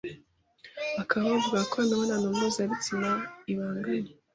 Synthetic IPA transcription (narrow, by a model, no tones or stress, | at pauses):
akʰaβaavuɡakoanaβananommezaɾit͡simaiβaːŋɡaɲe